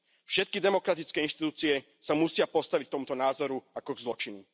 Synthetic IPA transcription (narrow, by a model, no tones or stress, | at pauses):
fʃɛt̪̚kid̪ɛmɔkɾat̪it͡skɛːinʃt̪it̪uːt͡siɛ | samusɪapɔst̪aʋic̚k̚t̪ɔmut̪ɔnaːzɔɾuakɔɡzlɔt͡ʃinu